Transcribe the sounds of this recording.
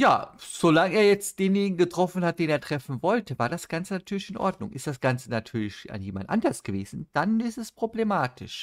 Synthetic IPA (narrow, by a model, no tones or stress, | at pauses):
ja̰ːz̥olaŋəeːɐjɛt͡std̥eːnjeːnɪɡŋ̩ɡətʁ̥ɔfn̩hat̚d̥eːneːɐtʁ̥ɛfn̩vɔltəvaːɐɾasɡ̥ant͡sənatʰyːɐlɪçɪnʔɔ̰ɐdnʊ̰ŋʔɪ̰std̥asɡ̥ant͡sənatʰyːɐlɪça̰njeːma̰ndʔa̰ndɐsɡ̥əveːzn̩d̥anɪstɛspʁ̥oblemaːtʰɪʃ